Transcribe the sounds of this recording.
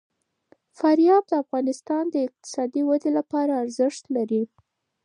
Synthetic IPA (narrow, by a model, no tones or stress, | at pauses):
faɾjɑb̚d̪əafɣɑnɪst̪ɑnd̪əɪq̚t̪ɪ̥sɑd̪iwad̪elapɑɾaːɾzɪʃt̪laɾi